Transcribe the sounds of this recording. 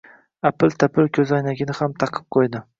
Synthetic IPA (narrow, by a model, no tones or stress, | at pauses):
apɪlt̪ʰapʰɪlkʲʰɵzɒjnaɡʲɪnɪhamt̪ʰɑqʰɨ̥p̚qʰojd̪ɪ